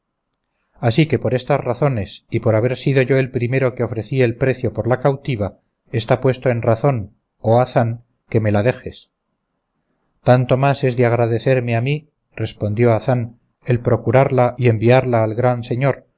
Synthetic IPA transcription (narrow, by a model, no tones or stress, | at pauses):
asike̞po̞ɾest̪azraθo̞ne̞sipo̞ɾaβ̞e̞ɾsiðo̞ʝo̞e̞lpɾime̞ɾo̞keo̞fɾe̞θielpɾe̞θjo̞po̞ɾlakawt̪iβ̞a | e̞st̪apwe̞st̪oe̞nraθo̞n | oaθaŋ | ke̞me̞laðe̞xe̞s | t̪ant̪o̞mase̞zðeaɣ̞ɾaðe̞θe̞ɾmeami | re̞spo̞nd̪jo̞aθan | e̞lpɾo̞kuɾaɾlaie̞mbiaɾlaːlɣɾanse̞ɲo̞ɾ